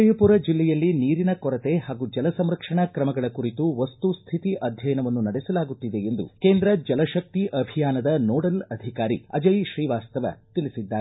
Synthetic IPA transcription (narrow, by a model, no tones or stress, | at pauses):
ɐjɐpuːɾɐd͡ʒilːɛjɐlːiniːɾinɐkɔɾɐt̪e̞ɦaːɡud͡ʒɐlɐsɐmɾɐkʂɐɳɐkɾɐmɐɡɐɭɐkuɾit̪uʋɐst̪ust̪ʰit̪iʔɐd̪ʱjɐjɐnɐʋɐnːunɐɽɛsɐlaːɡut̪ːid̪e̞end̪ṵkeːnd̪ɾɐd͡ʒɐlɐʃɐk̚t̪iʔɐbʱijaːnɐd̪ɐnoːɽɐlɐd̪ʱikaːɾiɐ̰d͡ʒɐjʃɾiːʋaːst̪ɐʋɐ̰t̪iɭisid̪ːaːe